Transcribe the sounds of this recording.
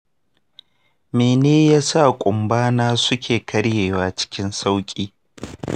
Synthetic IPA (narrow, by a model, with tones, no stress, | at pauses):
meː˨neː˦jaː˦sa˦˨kʷʼʊ˨mbaː˦naː˦sʊ˦kʲeː˨kʰɐ˦ɽjeː˨waː˨t͡ʃɪ̥˦kʲɪ˦nsa˦wkʲʼiː˦